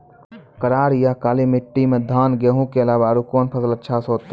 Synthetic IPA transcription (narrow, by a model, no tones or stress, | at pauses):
kəɾaːɾjakaːlimɪʈːimẽd̪ʱaːnɡeɦũkeəlaːbaɾukoːnpʰəsələtːʃʰasoːt̪ː